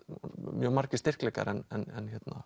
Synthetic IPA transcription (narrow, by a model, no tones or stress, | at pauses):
mjœːɣmaɾ̥cɪst̪ɪr̥klɛːka̰ɾɛnɛnɛnçɛt̪na